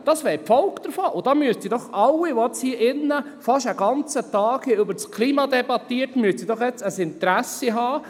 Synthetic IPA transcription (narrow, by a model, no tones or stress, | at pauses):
d̥ɑsʋɛːɾpfɔlkd̥̪əɾfoːʔʊd̥̪ɑːmyəstsidɔχɑlːiʋɔɛt͡shiːʔɪnːəfɑʃæɡɑnt͡sətɑːkhiʏbəɾt͡skʰliːmɑd̪ɛbɑt̪iːəɾtmyəstid̥ɔχjɛt͡səsɪnt̪ɾæsiɦɑː